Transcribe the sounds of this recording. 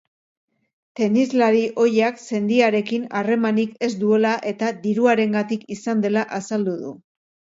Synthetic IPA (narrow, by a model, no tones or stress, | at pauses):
t̪e̞nizlaɾiʔo̞jakse̞nd̪iaɾe̞kinare̞manike̞zd̪ue̞laʔe̞t̪aðiɾuaɾe̞ŋɡat̪ikisand̪e̞laʔasald̪uðṵ